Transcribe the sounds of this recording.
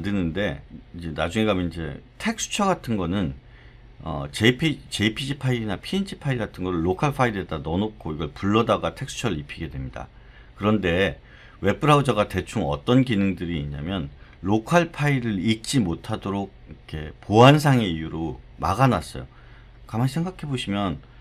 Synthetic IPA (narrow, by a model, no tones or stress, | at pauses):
dɯnɯnde̞id͡ʑe̞nad͡ʑuŋeɡamjʌnid͡ʑe̞̰tʰe̞k̚s͈ʰu̥t͡ɕʰʌɡatʰɯnɡʌnɯn | ʌ̰t͡ɕepʰit͡ɕe̞ipʰid͡ʑipʰainapʰiːnd͡ʑʰipʰaiɡatʰɯnɡʌɾɯɭːokʰaɭpʰaidɯet͈anʌnok̚k͈ʰoiɡʌɭpuɭːʌdaɡatʰe̞ks͈ʰu̥t͡ɕʰʌɾɯɭipʰiɡe̞dwe̞mɲida̰ | kɯɾʌnde̞ | we̞p͈ʰɯɾaud͡ʑaɡate̞t͡ɕʰuŋʌt͈ʌnkinɯŋdɯɾiːɲa̰mjʌnlokʰaɭpʰaiɾɯɾik̚t͡ɕ͈imotʰadoɾoɡ̚ikʰe̞poans̬ʰaŋe̞ijuɾo | maɡanas͈ʌ̰jo̰ | kamansʰŋɡakʰe̞boɕʰimjʌn